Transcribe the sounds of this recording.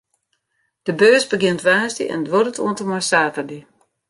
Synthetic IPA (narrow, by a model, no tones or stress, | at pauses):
d̥əbøːzbəɡɪntʋaːsdḭʔɛ̰ndʋoɾətʰṵəntəmɔjsaːvədi